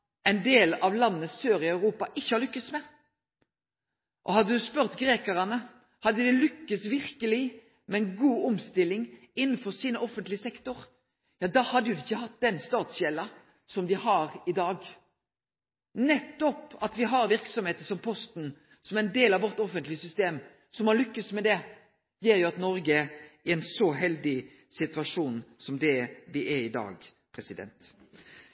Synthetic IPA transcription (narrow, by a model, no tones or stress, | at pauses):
ɛɪnd̪eːlɑʋlɑnːəsøːɾɪɑʉɾuːpɑʔɪçːəhɑʁlʏkːəsmɛː | ʔɔhɑd̪ːəd̪ʉspœʁt̪ɡɾeːkəʁɑnə | hɑd̪ːəd̪ɛlʏkːəsʋɪʁkəlɪ | mɛɛnɡuːɔmst̪ɪlːɪŋ | ɪnːn̩fɔʁsiːnəʔɔfənt̪lɪəsɛkt̪ʊʁ | jɑːd̪ɑːhɑd̪ːəjʊd̪ɪɪçːəhɑt̪̚d̪ɛnst̪ɑːt̪sjɛlːɑ | sɔmd̪ɪhɑʁɪd̪ɑːɡ | nɛt̪ːɔpɑt̪ʋɪɦɑɾʋɪʁksɔmheːt̪əsɔmpʰɔst̪n̩ | sɔmæɛnd̪eːlɑʋɔʁt̪ɔfənt̪lɪəsʏst̪eːm | sɔmɑnlʏkːəsmɛd̪ɛ | jeːɾjʊɑt̪nɔɾɡəɪɛnsɔɦɛld̪ɪ | sɪt̪ʉɑʂuːnsɔmd̪ɛd̪ɪʔɛɾɪd̪ɑ̰ːɡ | pʰɾɛsɪd̪ɛ̰nt̪